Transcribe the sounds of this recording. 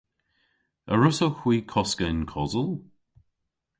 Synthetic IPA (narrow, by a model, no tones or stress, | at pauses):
əɹʊsoxwiːkʰɔskəɪnkʰɔzəlˠ